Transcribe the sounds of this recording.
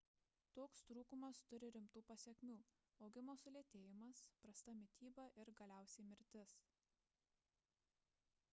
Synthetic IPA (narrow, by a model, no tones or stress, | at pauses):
t̪oːkst̪ɾuːkʊmɐst̪ʊɾʲɪɾʲɪmt̪uːpɐsʲɛkʲmʲuː | ɒʊɡʲɪmoːsʊlʲeɛt̪ʲeːjɪmɐspɾɐst̪ɐmʲɪt̪ʲiːbɐʔɪɾɡɐlʲæˑʊsʲɛɪmʲɪɾʲt̪ʲɪs